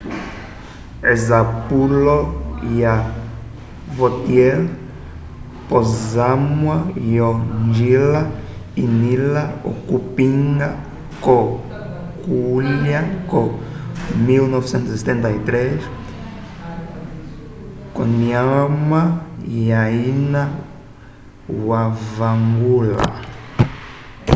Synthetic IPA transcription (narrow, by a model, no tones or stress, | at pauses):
ezapuloia | vot̪jel | pozamwaioʒilainilao̰kupĩŋɡa | ko | kulakõ | milnɔvisẽnt̪uziset̪ẽnt̪ait̪ɾeʃ | kõniamaiaina | wavaŋɡula̰